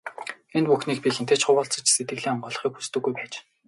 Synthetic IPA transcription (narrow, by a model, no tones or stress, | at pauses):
enpuxniːk̚pʲixent̪ʰeːt͡ɕχʊwʊːɬt͡sɞ̆t͡ɕset̪̚ɡɘ̆ɮiːŋɔmɢʊːɮ̆χiːkxu̥st̪ɵ̆ɣujpæːt͡ɕ